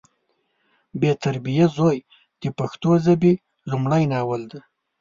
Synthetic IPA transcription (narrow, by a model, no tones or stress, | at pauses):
bet̪aɾbijazoj | d̪̥əpaxt̪ozabi | lumɽajnɑwald̪a